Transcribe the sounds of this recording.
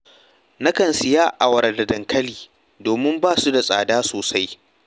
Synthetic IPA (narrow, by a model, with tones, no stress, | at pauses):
na˦kɐ˨nsɪ˦jaː˦ʔa˨wɐ˨ɾɐ˨da˨dɐ˨ŋkɐ˦liː˨ | doː˨mɪ˦mbaː˦˨su˦da˨sʼaː˨daː˦soː˨sa˦j